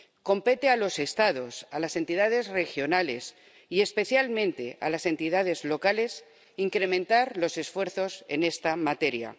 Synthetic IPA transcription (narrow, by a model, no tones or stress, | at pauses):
ko̞mpe̞t̪ealo̞se̞st̪að̞o̞salase̞nt̪ið̞að̞e̞zre̞xjo̞nale̞s | ie̞spe̞θjalmẽnt̪e̞̰a̰lase̞nt̪ið̞að̞e̞zlo̞kale̞s | iŋkɾe̞mẽnt̪aɾlo̞se̞sfwe̞ɾθo̞se̞ne̞st̪amat̪e̞ɾja̰